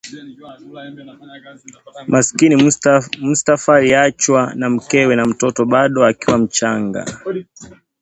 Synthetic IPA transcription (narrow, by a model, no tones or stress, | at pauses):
maskinim̩stafaliat͡ʃwanam̩kɛwɛnam̩tɔtɔɓaɗɔakiwam̩t͡ʃaŋɡa̰